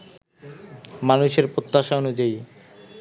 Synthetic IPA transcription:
manuʃeɾpɾot̪ːaʃaonud͡ʑai

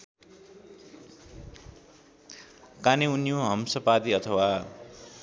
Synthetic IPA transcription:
kaniunijoɦʌmsʌpad̪iʌt̪ʰʌwa

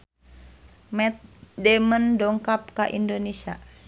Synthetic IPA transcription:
mɛt̪̚dɛməndɔŋkap̚kaʔindonesia̰

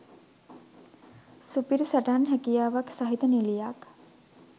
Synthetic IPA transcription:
supiɾisaʈaːnɦækijaːʋaksaɦit̪ənilijak

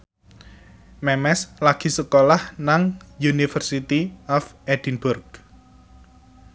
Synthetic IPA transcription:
mɛmɛslaɡ̥i̤səkolahnaŋjunifərsit̪iɔfɛd̪̥inbʊrɡ

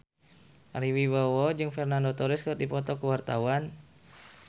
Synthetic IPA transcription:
ʔaɾiwiwɔwɔd͡ʒɨŋfɛrnandot̪ɔɾɪskt̪̚dipɔt̪ɔkəwart̪awan

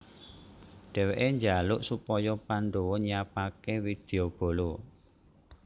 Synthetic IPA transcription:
ɖ̥ɛ̤weʔeɲd͡ʒalʊʔsupɔjɔpanɖowɔɲiapakewid̪̥e̤ob̥o̤lo

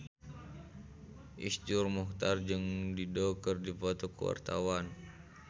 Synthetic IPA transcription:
ʔisd͡ʒurmɔht̪ard͡ʒɨŋdidɔkərdifɔt̪ɔkəwa̰rt̪a̰wan

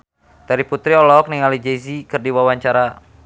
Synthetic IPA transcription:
d̥aɾiput̪ɾiɔlɔk̚niŋalid͡ʒezikɨrdiwawaɲt͡ʃaɾa

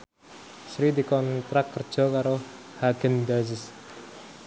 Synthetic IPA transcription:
sɾid̪ikɔnt̪ɾakːərd̥ʒ̥ɔ̤kaɾo | haɡ̥ənd̪azɪs

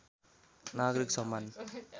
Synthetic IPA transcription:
naɡɾiksʌmːan

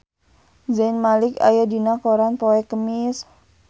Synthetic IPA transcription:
zanmalɪka̰jadinakoɾanpoɛkəmis

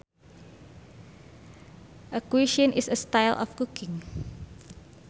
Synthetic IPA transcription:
ʔəkwiʃə̃nʔisəstajlʔɔ̰fkukʰɪ̃ŋ

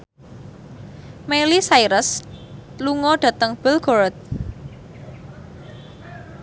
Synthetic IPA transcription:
melisajɾəs | luŋɔɖ̥ä̤t̪əŋb̥əlɡ̥o̤ɾət̪̚

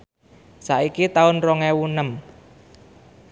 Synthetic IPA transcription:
sa̰ʔikit̪aʊnrɔŋɛwunəm

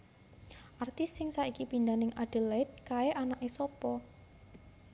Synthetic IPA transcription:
ʔart̪ɪsːɪŋsaʔikipind̪anɪŋʔaɖ̥ə̤lɛt̪̚kaeʔanaʔesɔpɔ

